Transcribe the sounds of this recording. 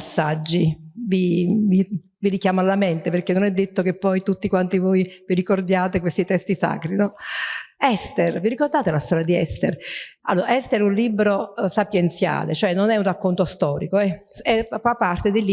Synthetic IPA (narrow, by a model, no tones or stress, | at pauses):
asːad͡ʒːivivi | viɾikjaːmoalːament̪eperkenːonɛd̪ːet̪ːokepːɔjt̪ut̪ːikwant̪ivojviɾikord̪jaːt̪ekwest̪it̪ɛst̪isa̰ːkɾinɔ | ɛst̪erviɾikord̪aːt̪elast̪ɔːɾjad̪iɛst̪ḛra̰lːoːɾaɛst̪eɾɛunliːbɾosapjent̪sja̰ːlḛt͡ʃoɛnːonɛunrakːont̪ost̪ɔːɾikoɛɛfapːart̪ed̪eli